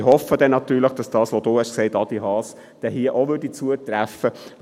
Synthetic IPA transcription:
hɔfːədɛnːɑt̪yːləχd̥ɑsd̥ɑːsʋod̥oːhɛʃksɛɪtɑd̥̪ihɑːs | d̥ɛɦiəʔoʋødit͡suətɾæfːə

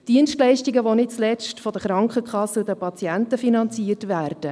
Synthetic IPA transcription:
d̥iənstlɛɪʃtiɡəʋonɪt̚t͡slɛt͡stfɔd̥əχɾɑŋkχəkχɑsədəpɑt͡siɛntəfinɑnt͡siəɾtvæːɾd̥ə

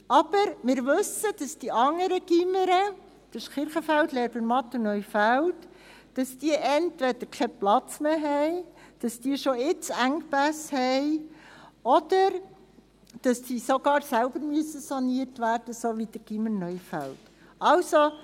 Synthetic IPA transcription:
ɑb̥əɾmɪːɾʋɵsəd̥ɑsd̥iʔɑŋːəɾəɡ̥iməɾə | d̥əʃkɪɾχəfæltlɛːɾbənmɑt̪ːənœʏfælt | d̥ɑsd̥iəʔɛntʋɛd̥əɾkʰɛplɑt͡smeːɦɛɪd̥ɑsd̥iəʃoɪt͡sæŋpæshɛɪ | ɔd̥əɾ | d̥ɑsdiːsoɡɑːɾsælbəɾmyəsəsɑniərtʋæːrd̥əsoʋid̥̪əɡ̥iməɾnœjfælt | ɑlso

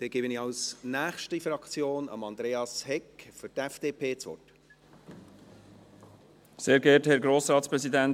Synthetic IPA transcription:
d̥eːɡ̥eːbənɪçɑlsnæːxʃtəfɾɑkt͡sjoːnɑ̰mɑnd̪ɾeːɑshɛkfʏɾtɛfd̥eːpʰeːt͡sʋɔ̰t | seːɾɡɛːthɛɾɡɾoːsɾɑːt̪spɾɛsid̪ɛn

